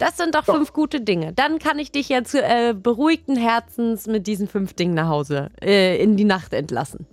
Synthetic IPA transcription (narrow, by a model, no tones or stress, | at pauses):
d̥asz̥ɪnt̚d̥ɔχfʏnfɡ̥uːtədɪŋəd̥ankʰanɪçd̥ɪçjaːt͡suːʔɛːbəʁuːɪk̚tn̩ɦɛɐt͡sn̩smɪt̚d̥iːzəm̩fʏnfd̥ɪŋənaχhaʊzəʔɛːɪndiːnaχtɛ̰ntla̰sn̩